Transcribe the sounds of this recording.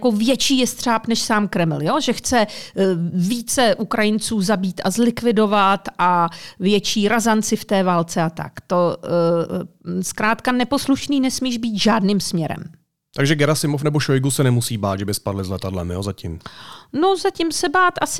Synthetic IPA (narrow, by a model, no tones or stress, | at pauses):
kovjɛt͡ʃiːjɛst̪r̥aːpnɛʃsaːmkɾɛml̩joʒɛxt͡sɛ | viːt͡sɛʔukɾajɪnt͡suːzabiːt̪azlɪkvɪdo̞vat̪ʔavjɛt͡ʃiːɾazant͡sɪft̪ɛːvaːlt͡sɛat̪a̰kt̪o | skɾaːt̪kanɛpo̞sluʃniːnɛsmiːʒbiːt̪ʒaːdnɪːmsmɲɛɾɛ̰m | t̪aɡʒɛɡɛɾasɪmofnɛboʃojɡusɛnɛmusiːbaːt̪ʒɛbɪspadlɪzlɛt̪adlɛ̰mjo̰ːzacɪmno̞zacɪmsɛbaːt̪ʔasɪ